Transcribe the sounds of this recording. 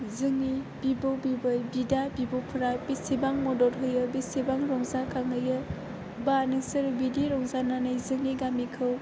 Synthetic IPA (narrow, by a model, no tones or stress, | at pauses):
zɯŋib̥ibɯwbibɯjbidabibɯwpʰuɾabisibaŋmɔdɔɾɦɯjɯbisibaŋɾɔŋzakʰaŋɯjɯ | banɯŋsɯɾbidiɾɔŋzananɯjzɯŋiɡamikʰɯw